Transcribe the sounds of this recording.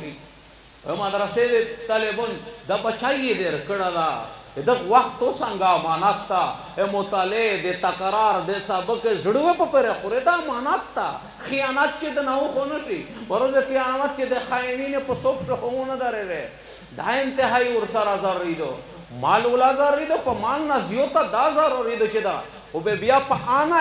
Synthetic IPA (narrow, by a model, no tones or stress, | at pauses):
i | ḛmad̪ɾased̪et̪ɐlebənd̪abɐt͡ʃʰaijed̪eɾkəɽad̪a | ed̪ət̪ʋaxt̪ːosãŋɡamanat̪ːa | emot̪aled̪et̪ɐkɾaɾd̪esabəkezəɽuʋepəpəɾexoɾed̪amanat̪ːa̰ | xijaːnat̪̚t͡ʃed̪ənawũxonəʂi | bɐɾozet̪ijaːnamat̪̚t͡ʃed̪exaeninepəsofkexoũnəd̪aɾeɾe | d̪aint̪eɦaːiuɾsaɾazaɾːid̪ə | maːlulazaɾːid̪əpəmaŋnazijot̪ad̪azaɾoɾid̪ət͡ʃed̪a̰ | obebijapəana